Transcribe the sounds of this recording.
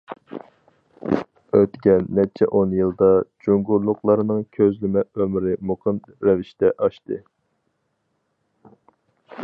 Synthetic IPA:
øt̪kʲɛnːɛt͡ʃʰɛ̰ʔonjɨlˠd̪ɑd͡ʒuŋɡuɾlˠʊqlˠɑɾɨnɨŋkʲʰøzlɪmɛømɾɪmoqʰɨn | ɾɛviʃt̪ɛʔɑʃt̪ɨ

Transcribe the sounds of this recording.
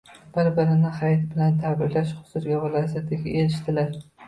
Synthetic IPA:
b̥ɪɾbɪɾɪnɪhajt̪bɪlant̪ʰabɪɾlaʃχʊ̥sʊɾɡʲavɪlˠɒzat̪ʰɪɡʲaʔeɾɪʃt̪ʰɪlaɾ

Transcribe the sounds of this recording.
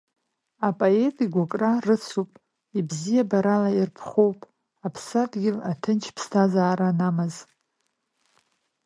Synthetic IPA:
apʼoe̞tʼiɡʷakʼrarɨt͡sʰupʼ | ibzijabaɾalairpʰχʷowpʼ | apʰsatʼɡʲɪlatʰɨnt͡ʃʰpʰstʰazaːɾanamɨz

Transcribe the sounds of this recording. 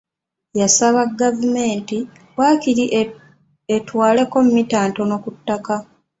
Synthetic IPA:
jasaβaɡavume̞ːnti | waːkiɾi | etwaːle̞ko̞mumitaːnto̞no̞kutːaka

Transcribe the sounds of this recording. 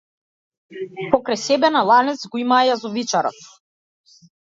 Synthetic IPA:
pɔkɾajsɛbɛnalˠanɛt̪sɡɔimaːjazɔvit͡ʃaɾɔ̰t̪

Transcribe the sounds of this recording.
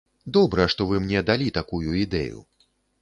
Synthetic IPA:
d̪ɔbɾɐʂt̪ɔvɨmnʲɛd̪alʲit̪akujuid̪ɛ̰jṵ

